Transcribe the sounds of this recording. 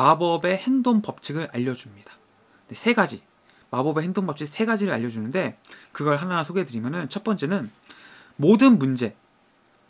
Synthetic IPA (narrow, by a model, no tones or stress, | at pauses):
mabʌbe̞he̞ŋdoŋpʌp̚t͡ɕʰɯɡɯɾʔaʎːʌd͡ʑumɲidḁ | desʰe̞ɡad͡ʑi | mabʌbe̞ɦeŋdoŋbʌp̚t͡ɕ͈ɯsʰe̞ɡad͡ʑiɾɯɾa̰ʎːʌd͡ʑunɯnde̞kɯɡʌɭɦananasʰoɡe̞dɯɾimjʌnɯnt͡ɕʰʌt̚p͈ʌnt͡ɕ͈e̞nɯn | modɯnmund͡ʑe̞